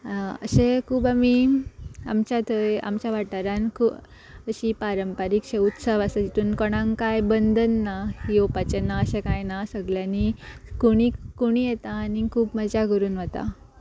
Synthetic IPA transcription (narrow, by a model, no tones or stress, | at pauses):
ə̰ɕẽkʰuːbami | a̰mt͡ɕat̪ʰəa̰mt͡ɕjaʋaʈaɾankʰuː | əɕiːpaɾəmpaɾikɕeut̪səʋəsəet̪uːnkɔɽ̃ãŋkajbənd̪ʱənːahiopat͡ɕenaəɕẽkajnasəɡljãnikoɽ̃ikoɽ̃ijet̪aːnikʰuːbməd͡ʑaɡʱəɾuːnʋət̪a̰